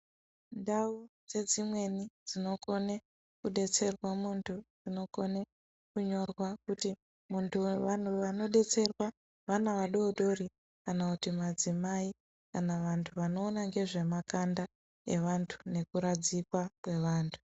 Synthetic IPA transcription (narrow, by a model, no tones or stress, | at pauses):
ndaud͡ze̞d͡zimwe̞nid͡zino̞ko̞ne | kuɗe̞t͡se̞rwamuntʰud͡zino̞ko̞ne | kuɲo̞rwakuti | muntʰuʋan̤uʋano̞ɗe̞t͡se̞rwa | ʋanaʋaɗo̞ːɗo̞ri | kanakutimad͡zimai | kanaʋantʰuʋano̞ːnaŋɡe̞ʐe̞makanda | e̞̰ʋantʰu̥ne̞kuɾad͡zikwakwe̞ʋaːntʰu̥